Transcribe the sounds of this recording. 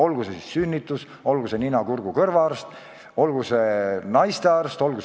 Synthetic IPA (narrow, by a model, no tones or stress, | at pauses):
o̞lɡusesisːynʲːit̪ːˑus | o̞lɡ̥use̞ninɑkurɡ̥ukɤrvɑɑrst̪ | o̞lɡ̥usenɑjst̪e̞ɑrst̪o̞lɡ̥u